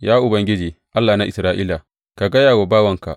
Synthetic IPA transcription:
jaː˦ʔʊ˨bɐ˨ŋɡʲɪ˦d͡ʒiː˨ʔa˦lːaː˨na˦ʔɪ̰˨sɾaː˦ʔiː˦la˨ | ka˨ɡɐ˦jaː˨wo˨baː˦wɐ˦ŋka̰˨ʔ

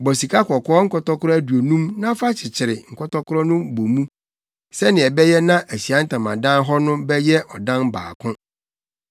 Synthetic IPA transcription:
bɔ˨si˨kʰa˦kʰɔ˨kʰɔ˦ɔ˦ŋ̩˦kʰɔ˦tɔ˦kʰʊ˦ɾɔ˦æ˦du˨o˨nũ˦mnã˦fa˦t͡ɕʰɪ˨t͡ɕʰɪ˨ɾɪ˨ŋ̩˨kʰɔ˦tɔ˦kʰʊ˦ɾɔ˦nʊ̃˦bo˨mũ˦ | sɛ˦nɪ̃˨ɛ˨bɛ˦jɛ˦nã˦ʔæ˨ɕi˨a˦n̩˦tʰã˨mã˨dã˦nɦɔ˦nʊ̃˦bɛ˦jɛ˦ʔɔ˨dã˦nba̰ː˨kʰʊ̃˦

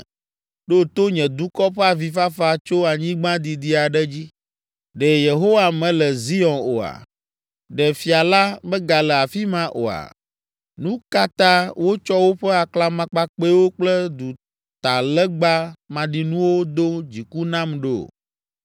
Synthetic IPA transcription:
ɖo˦t̪o˦ɲɛ̃˨d̪u˦kɔ˦ɸɛ˦a˨vi˨fa˦fa˦t͡ʃo˦a˨ɲĩ˦ɡ͡bã˦d̪i˨d̪i˦a˨ɖɛ˦d͡ʑi˦ | ɖɛ˨je˨ɦo˦wa˨mɛ̃˨lɛ˨zi˦ɔ̃˨no˨a̰˨ | ɖɛ˨fi˨a˨la˦bɛ˦ɡa˨lɛ˨a˨fi˦mã˦ʔo̰˨a̰˨ | nũ˦ka˦t̪ã˦wo˦t͡ʃɔ˦wo˦ɸɛ˦a˨kla˦mã˦k͡pa˦k͡pe˦wo˦k͡plɛ˦d̪u˨ | t̪a˨lɛ˦ɡ͡ba˦mã˨ɖi˨nũ˦wo˦d̪o˦d͡ʑi˨ku˦nã˦mɖe˨o̰˨

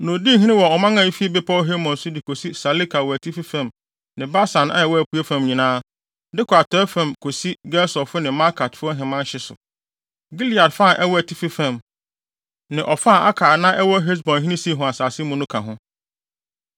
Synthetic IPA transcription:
nʊ̃˨di˦ɦĩ˦nɪ̃˦wɔ˨ɔ˨mã˦ŋã˨i˦fi˦e˦bɪ˦pʰa˦ɔ˦ɦe˦mɔ̃˨nsʊ˦di˨kʰo˨si˦sa˨li˦kʰa˨wɔ˨æ˨tʰi˦fi˦fã˨m | nɪ̃˨ba˦sã˨na̰˦ɛ˨wɔ˦æ˨pʰu˨˦e˦fã˦˨mɲĩ˨nãː˦ | dɪ˦kʰɔ˨a˨tʰɔ˨˦ɛ˦fã˨mkʰo˨si˦ɡɛ˦sɔ˨fʊ˦nɪ̃˨ma˦kʰa˨tfʊ˦ɔ˦ɦɪ̃˨mã˦n˦ɕɪ˦sʊ̰˨ | ɡi˦li˨a˨dfa˦˨ʔɛ˦wɔ˦æ˨tʰi˦fi˦fã˨m | nɪ̃˨ʔɔ˨fa˦˨ʔa˦kʰaː˨nã˦ʔɛ˦wɔ˦ɦe˦s̬bɔ̃˨nɦĩ˦nĩ˦si˦˨ɦʊ̃˨a˨saː˨sɪ˦mũ˦nʊ̃˦kʰã˨ɦʊ̃˦

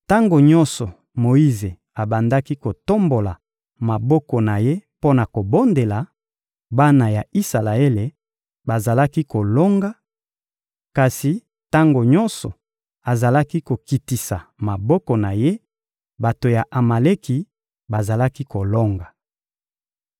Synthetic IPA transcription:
ta˦ŋɡo˨ɲɔ˦nsɔ˨ | mo˨i˦ze˨ | a˨ba˨nda˦ki˦ko˨to˦mbo˨la˨ | ma˨bɔ˦kɔ˨na˨je˦po˦na˨ko˨bo˦nde˨la˨ | ba˦na˨ja˨i˦sa˨la˨e˦le˨ | ba˨za˨la˦ki˦ko˨lɔ˦ŋɡa˦ | ka˨si˨ | ta˦ŋɡo˨ɲɔ˦nsɔ˨ | a˨za˨la˦ki˦ko˨ki˨ti˨sa˨ma˨bɔ˦kɔ˨na˨je˦ | ba˨to˨ja˨ʔa˨ma˨le˦ki˨ | ba˨za˨la˦ki˦ko˨lɔ˦ŋɡa˨

